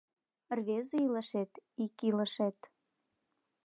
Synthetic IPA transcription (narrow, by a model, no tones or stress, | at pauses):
rβeziləʃet̪ikiləʃet̪